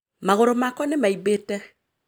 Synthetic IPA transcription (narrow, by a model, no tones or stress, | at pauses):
maɣoɾomakɔnemaibetɛ